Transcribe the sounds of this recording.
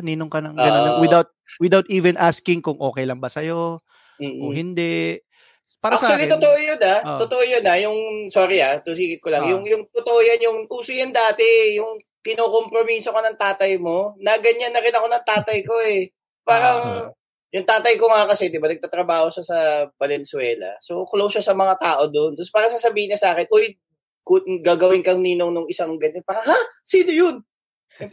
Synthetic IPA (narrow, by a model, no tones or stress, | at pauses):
niːnoŋkɐnɐŋɡɐnowɪd̪awt̪̚wɪd̪awt̪iːvɛnʔaskɪŋkʊŋʔo̞ːkɛjlɐŋbɐsɐjoː | kʊŋhɪnd̪ɛ | paːɾakt͡ʃʊalit̪ot̪oʔojonat̪ot̪oʔojonajʊŋsoːɾɪat̪usiːkɪt̪̚kolɐŋjʊŋjʊŋt̪ot̪oʔojɐnjʊŋʔuːsʊjɐnd̪aːt̪ɛjʊŋ | kɪnoːko̞mpɾo̞miːso̞kɐnɐŋt̪aːt̪ɐjmo̞nɐɡɐɲːanːɐɾɪnɐko̞nɐŋt̪aːt̪ɐjko̞ɛ | paːɾɐŋ | jʊŋt̪aːt̪ɐjko̞ŋakɐsɛd̪ɪbanɐɡ̚t̪aːt̪ɾɐbaːho̞ʃɐsɐpɐlɛnsʊwɛːlɐ̰so̞klowʃasɐmɐŋat̪aːʔo̞d̪ont̪ɐspaːɾɐsasɐbiːhɪɲɐsaːkɛnʔoj | kɡaːɡɐwɪnkɐŋniːnoŋnʊŋɪsaŋɡɐnopaːɾɐhasiːnojon